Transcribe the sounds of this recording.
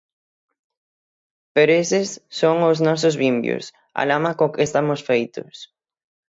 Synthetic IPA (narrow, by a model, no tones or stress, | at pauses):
peɾoesɪsːoŋʊznɔs̬ʊzβimbjʊ̰s | a̰lamakokɪest̪amʊsfejt̪ʊ̰s